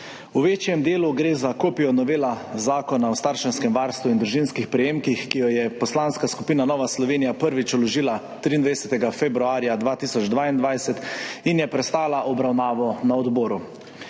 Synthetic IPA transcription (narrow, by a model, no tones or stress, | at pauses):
uʋeːt͡ʃjɛmd̪eːluɡɾeːzakoːpijɔnɔʋeːlazaːkɔnawst̪aːɾʃɛnskɛmʋaɾst̪ʋuind̪ɾuʒinskixpɾɛjeːmkixkijɔjɛpɔslanskaskupiːnanɔːʋaslɔʋeːnijapəɾʋit͡ʃɔlɔʒiːla | t̪ɾiːnd̪ʋajɛsɛt̪ɛɡafɛbɾuaːɾjad̪ʋaːt̪iːsɔd͡ʒd̪ʋaːind̪ʋajsɛt̪injɛpɾɛst̪aːlaʔɔbɾawnaːʋɔnaɔd̪bɔːɾu